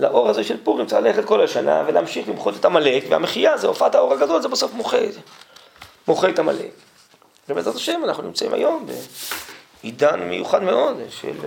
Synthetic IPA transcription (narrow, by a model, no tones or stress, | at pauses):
laʔo̞ʁhazeʃelpuʁimt͡salaleχet̪ko̞laʃana̰veleamʃiχlimχot̪et̪amalekvea̰meχijazeofat̪ao̞ʁaɡado̞lzebaso̞fmoχe | moχet̪ama̰le̞̰k | lemezʁat̪aʃemanaχnunimt͡saʔḭmʔa̰jo̞mbḛ | idanmejuχadmeo̞d̪ʃḛl